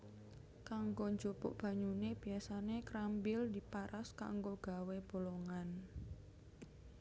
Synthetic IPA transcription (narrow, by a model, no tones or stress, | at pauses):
kaŋɡoɲd͡ʒopo̰ʔb̥a̤ɲuneb̥i̤asanekɾambɪld̪i̤paɾʔaska̰ŋɡoɡ̥a̤web̥o̤loŋan